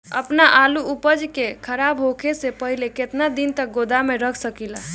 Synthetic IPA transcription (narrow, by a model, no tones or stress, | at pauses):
ə̰pnaʔaluupəd͡ʒkekʰəɾabɦokʰesepəɦileket̪nad̪int̪ək̚ɡod̪ameɾəkʰsəkila